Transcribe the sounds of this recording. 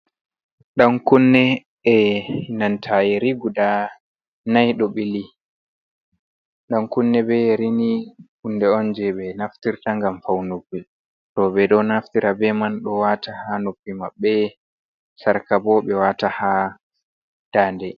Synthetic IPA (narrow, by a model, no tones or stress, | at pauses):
ɗaŋkunːɛ | ɛinantʰajiɾiɡuda | najɗoɓili | ɗaŋkunːɛbɛɾinikundɛɔnd͡ʒɛɓɛnaftiɾtaŋɡamfawnopːi | tɔbɛɗɔnaftiɾʔabɛmanɗɔwatahanopːimaɓːɛ | saɾkabɔɓɛwataha | d̥aːndɛ